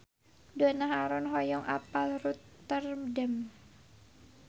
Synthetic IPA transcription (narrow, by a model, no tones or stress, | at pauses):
dɔnaɦaɾɔnɦɔjɔŋʔa̰palrut̪ːərmdəm